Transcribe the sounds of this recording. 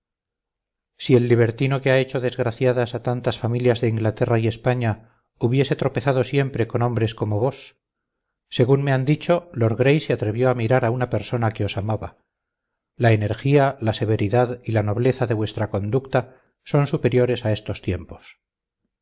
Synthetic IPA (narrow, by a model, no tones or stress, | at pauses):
sie̞lːiβ̞e̞ɾt̪ino̞keae̞t͡ʃo̞ðe̞zɣɾaθjaðasat̪ant̪asfamiljazðe̞iŋɡlat̪e̞raie̞spaɲa | uβje̞se̞t̪ɾo̞pe̞θað̞o̞sje̞mpɾe̞ko̞nõ̞mbɾe̞sko̞mo̞βo̞sː | e̞ɣunme̞and̪it͡ʃo̞lo̞ɾɣɾe̞jseat̪ɾe̞βjo̞amiɾaɾaunape̞ɾso̞nake̞o̞samaβa | lae̞ne̞ɾxialaseβ̞e̞ɾiðaðilano̞βle̞θaðe̞βwe̞st̪ɾako̞nd̪ukt̪a | so̞nsupe̞ɾjo̞ɾe̞sae̞st̪o̞st̪je̞mpo̞̥s